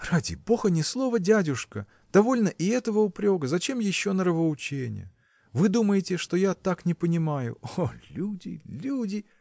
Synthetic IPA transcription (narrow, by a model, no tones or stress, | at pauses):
radʲɪ̰bo̞xənʲɪslˠo̞vədʲædʲʊʂkə | d̪̥ɐvo̞lʲnəʔɪɛt̪əvəʊpɾʲo̞ɡəzɐt͡ɕe̞mjɪɕːo̞nəɾəvəʊt͡ɕenʲɪ̰jə̰ | vɨd̪uməjɪtʲɪʂt̪o̞jat̪aknʲɪpənʲɪmajʊ̰olʲudʲɪ̰lʲudʲɪ